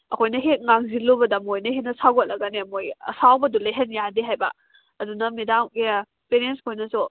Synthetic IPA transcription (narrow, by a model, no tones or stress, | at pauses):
ɐkʰojnɐɦet̚ŋaŋzilobɐdɐmojnɐhenɐsaɡot̚lɐɡɐnemojɐ̰sawbɐduleɦenjadiɦajbɐ | ɐdunɐmedamɡe | peɾenskʰojnɐsu